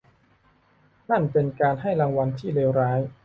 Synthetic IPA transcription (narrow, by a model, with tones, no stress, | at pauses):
na˥˩pe˧nkaː˧nɦa˥˩jɾa˧ŋwa˧nt̪ʰiː˥˩leː˧wɾaː˦˥j